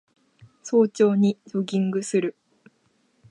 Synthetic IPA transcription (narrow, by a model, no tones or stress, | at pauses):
so̞ːt͡ɕo̞ːɲ̟id͡ʑoɡʲĩŋɡɯ̟sɨɾɯ̟